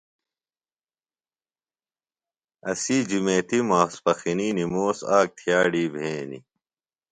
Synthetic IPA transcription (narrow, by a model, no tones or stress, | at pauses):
ɐsid͡ʑumeːt̪imaːspɐxiniːnimoːsaːk̚t̪ʰjaːɖiːbʱẽːnḭ